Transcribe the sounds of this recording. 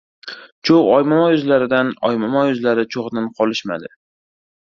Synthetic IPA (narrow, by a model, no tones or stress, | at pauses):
t͡ʃʰowɒjmɒmajʊzlaɾɪd̪anɒ̰jmɒmajʊzlaɾɪt͡ʃʰoʁd̪anqʰɒlɪʃma̰d̪ɪ